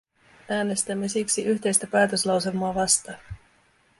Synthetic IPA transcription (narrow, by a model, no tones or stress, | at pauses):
æːne̞st̪æmːe̞siksiʔyçt̪e̞jst̪æpæːt̪ø̞slɑwse̞lmoɑʋɑst̪ɑ